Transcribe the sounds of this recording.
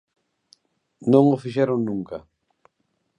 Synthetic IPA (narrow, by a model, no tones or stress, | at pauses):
nõŋʊfiʃɛɾoŋnũŋkɐ